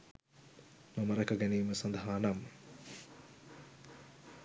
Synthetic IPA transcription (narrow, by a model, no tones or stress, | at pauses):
nɐməɾɐkəɡæniːməsand̪əɦaːname